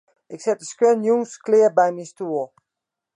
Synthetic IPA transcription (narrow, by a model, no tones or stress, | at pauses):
ʔɪksɛt̚əskʋɛnjuŋsklɪəbɛjmistuːlˠ